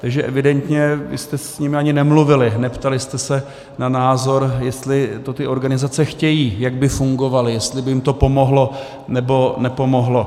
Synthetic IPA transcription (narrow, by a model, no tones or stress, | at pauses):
t̪aɡʒɛʔɛvɪdɛnt̪ɲɛvɪ̰st̪ɛsɲɪmɪaɲɪnɛmluvɪlɪnɛpt̪alɪst̪ɛsɛ | nanaːzo̞ɾjɛst̪lɪt̪o̞t̪ɪʔo̞ɾɡanɪzat͡sɛxcɛjiːjaɡbɪfuŋɡo̞valɪjɛst̪lɪbɪjɪmt̪o̞po̞mo̞ɦlo̞ | nɛbo̞nɛpo̞mo̞ɦlo̞